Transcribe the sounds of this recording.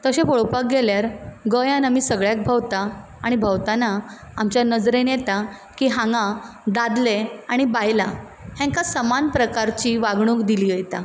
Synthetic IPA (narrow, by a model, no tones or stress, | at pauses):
t̪əɕẽfoɭpak̚ɡeljaɾɡəjãnamiːsəɡɭjak̚bʱəwt̪aaɽ̃ibʱəwt̪ana | amt͡ɕjanəd͡zɾenjet̪a | kiːɦãŋɡãd̪ad̪leaɽ̃ibajla | hɛ̃ŋkasəmanpɾəkaɾt͡ɕiːʋaɡɳ̃ũːkd̪iliːɦəjt̪a